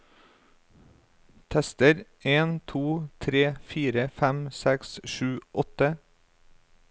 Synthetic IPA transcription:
t̪ʰɛst̪əɾ | eːnt̪ʰuːt̪ʰɾeːfiːɾəfæmsɛksʃʉːʔɔt̪ə

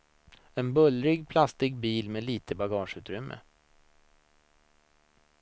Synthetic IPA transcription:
ɛnbɵlɾɪɡpʰlast̪ɪɡ̚biːlmeːliːt̪ʰəbaɡɑːʂʉ̟ːt̪ɾʏmːʔə̰

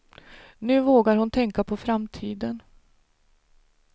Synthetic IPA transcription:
nʉ̟ːvoːɡaɾhʊnt̪ʰɛŋkapʰɔfɾamt̪ʰiːd̪ən

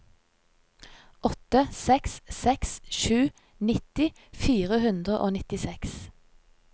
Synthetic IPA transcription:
ʔɔt̪əsɛkssɛksʃʉː | nɪt̪ɪ | fiːʁəhʉnd̪ʁəʔo̰ːnɪt̪ɪsɛks

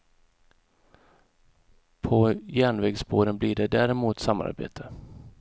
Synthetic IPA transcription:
pʰɔjæːɳvɛːɡsboːɾənblɪɖɛd̪æːɾɛmuːt̪sama̰ɾbḛːt̪ʰə

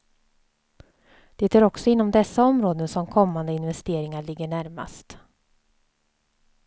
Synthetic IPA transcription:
d̪̥ɛt̪ʰæːɾɔksɔɪnːɔmd̪ɛsːaɔmɾoːd̪ənsɔmkʰɔmːand̪əɪnvɛst̪eːɾɪŋaɭɪɡːəɳæɾma̰st̪

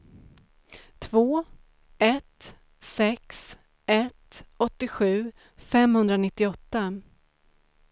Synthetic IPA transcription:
t̪ʰvoː | ɛt̪ | sɛks | ɛt̪ɔt̪ːɪɧʉ̟ː | fɛmhɵnd̪ɾanɪt̪ːɪɔt̪ːa

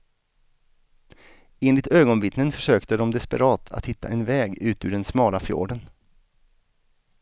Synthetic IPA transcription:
eːnlɪt̪øːɡɔnvɪt̪nənfœʂøːkt̪əd̪ɔmd̪ɛspə̰ɾɑːt̪ʰa̰t̪hɪt̪ʰːa̰ʔɛnvɛːɡʉ̟ːt̪ʉ̟ːɖɛnsmɑːlafjo̰ːɖən

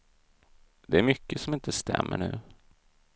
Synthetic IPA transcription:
d̪ɛæɾmʏkːəsɔmɪnt̪ʰəst̪ʰɛ̰mːəɳʉ̟ː

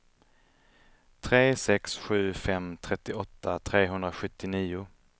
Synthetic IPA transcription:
t̪ʰɾeːsɛksɧʉ̟ːfɛmt̪ʰɾɛt̪ːɪɔt̪ʰːat̪ʰɾeːɦɵnd̪ɾaɧɵt̪ːɪniːʊ

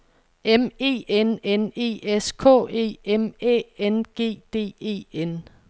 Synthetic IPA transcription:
eme̝̰ːenene̝̰ːeskʰɔ̰ːe̝̰ːemɛ̰enɡ̥e̝̰ːd̥e̝̰ːe̝̰ːen

